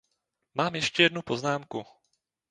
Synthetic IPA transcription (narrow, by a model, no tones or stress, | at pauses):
maːmjɛʃcɛjɛdnupo̞znaːmku